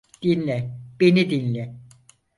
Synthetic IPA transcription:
d̪̥inlʲɛb̥enid̪inʲlʲɛ

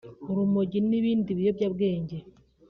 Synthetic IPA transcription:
oɾumoɟiniβiːndiβijoβɟaβɡe̞ːɲɟe

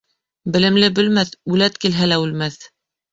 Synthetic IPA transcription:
bɘ̆lɘ̆mlɘbɵ̆lmæθʉlæt̪kilɦælæʉlmæθ

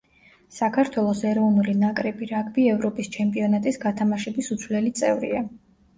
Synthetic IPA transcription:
sakʰaɾt̪ʰwɛlˠɔsɛɾɔvnulinakʼɾɛbiɾaɡʼbiɛvɾɔpʼist͡ʃʰɛmpʼiɔnat̪ʼisɡat̪ʰamaʃɛbisut̪sʰvlɛlit̪sʼɛvɾḭa

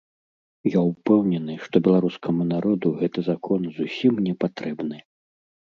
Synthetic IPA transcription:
jawpɛwnʲɛnɨʂt̪ɔbʲɛlˠaɾuskʰɐmunaɾɔd̪uɣɛt̪ɨzakʰɔnzusʲimnʲɛpat̪ɾɛbnɨ

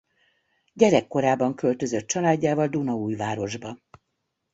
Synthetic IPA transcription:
ɟɛɾɛkːo̞ɾaːbɒŋkølt̪ø̞zøt̪̚t͡ʃɒlaːɟːaːvɒld̪unɒuːjvaːɾo̞ʒbɒ

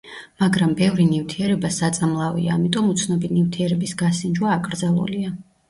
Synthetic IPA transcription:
maɡɾambɛvɾinivt̪ʰiɛɾɛbasat̪sʼamlˠavḭaːmit̪ʼɔmut̪sʰnɔbinift̪ʰiɛɾɛbisɡasind͡ʒwaːkʼɾd̪zalˠṵlia

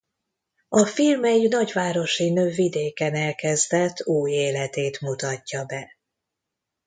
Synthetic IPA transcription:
ɒfilmɛjinɒɟʋaːɾo̞ʃinøːvid̪eːkɛnɛlkɛzd̪ɛt̪ːuːjeːlɛt̪eːt̪mut̪ɒcːɒbɛ

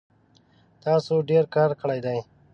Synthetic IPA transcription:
t̪ɑːsoɖeɾkɑːɾkəɭajd̪aj

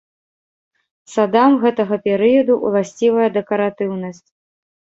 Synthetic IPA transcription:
sad̪amɣɛt̪ɐɣɐpʲɛɾɨjɐd̪uʔṵlˠasʲt͡sʲivɐjɐd̪ɛkɐɾat̪ɨwnɐsʲt͡sʲ

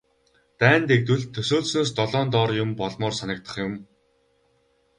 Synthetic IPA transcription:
t̪æːnt̪ekt̪wɘ̆ɮt̪ʰːɵsoːɮsnoːs̬t̪ɔɮɔːnt̪ɔːrjʊmpɔɮmɔːrsanə̆k̚t̪ə̥̆χjʊm

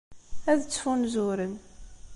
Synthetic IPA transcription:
æðət͡sːfunzʊɾən

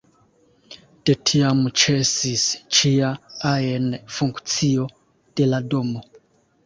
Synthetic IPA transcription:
te̞tʰiamt͡ʃesist͡ʃiaaenfuŋkt͡sio̞ | d̥e̞lado̞mo

